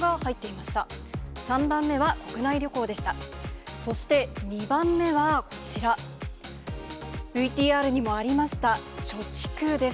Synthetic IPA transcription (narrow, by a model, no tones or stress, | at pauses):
ɡahait̪ːe̞imaɕi̥t̪asãmbãmːe̞βako̞kɯ̟naiɾʲo̞ko̞ːd̪e̞ɕi̥t̪aso̞ɕi̥t̪e̞ɲ̟ibãmːe̞βako̞̥t͡ɕiɾa | b̥ɯ̟it̪ʲiːaːɾɯ̟ɲ̟imo̞aɾʲimaɕi̥t̪at͡ɕo̞t͡ɕi̥kɯːd̪e̞s